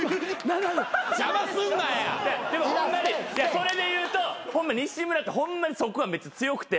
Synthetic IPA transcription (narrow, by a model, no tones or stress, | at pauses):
nanad͡ʑamasɨ̃nɡaja̰d̪ad̪e̞moõõmːaɲijaso̞ɾe̞d̪e̞jɯ̟ːt̪o̞hõmːaɲʲiiɕĩmbɯnat̪ːehõmːaɲ̟iso̞koβabe̞t͡sɨt͡sɨjo̞kɯ̥t̪e̞